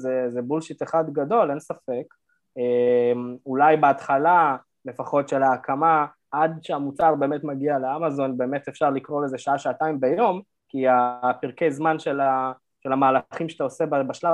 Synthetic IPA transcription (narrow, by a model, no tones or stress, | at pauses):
zezebulʃiteχad̪ɡado̞le̞nsafe̞k | emulajbeat̪χala | le̞faχo̞tʃe̞laːkʰama | ʔad̪ʃeamut͡saʁbe̞ːmetmaɡialeamazo̞nbe̞ːme̞tefʃaʁlikʁo̞le̞zeʃaaʃaːtaimbejo̞m | kiapiʁke̞jzmanʃela | ʃe̞lamaːlaχimʃe̥t̪aose̞babaʃlav